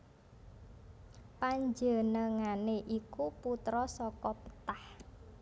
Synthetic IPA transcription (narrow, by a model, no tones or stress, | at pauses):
paɲd͡ʒənəŋaneʔikuput̪ɾɔsɔkɔpə̥t̪ah